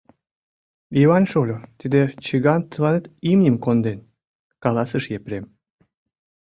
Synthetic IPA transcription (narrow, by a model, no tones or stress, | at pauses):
iβɑnʃolʲot̪id̪et͡ɕəɣɑnt̪əlɑnet̪imnʲimkond̪en | kɑlɑsəʃjepɾem